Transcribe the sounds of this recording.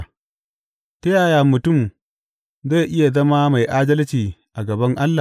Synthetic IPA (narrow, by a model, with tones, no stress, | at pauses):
tɐ˦jaː˨jaː˨mʊ˨tʊ˦˨m | za˦˨ʔɪ˦ja˨zɐ˦ma˦ma˨jʔaː˦dɐ˦lt͡ʃiː˨ʔa˨ɡɐ˨bɐ˦ŋʔa˦lːa˨